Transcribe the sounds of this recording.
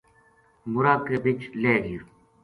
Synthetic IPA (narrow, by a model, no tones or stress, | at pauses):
muɾaːkebit͡ʃleːɡi